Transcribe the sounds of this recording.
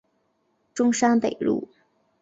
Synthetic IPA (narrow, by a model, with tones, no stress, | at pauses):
ʈ͡ʂʊ˥ŋʂa˥npe˨˩ɪlṵ˥˩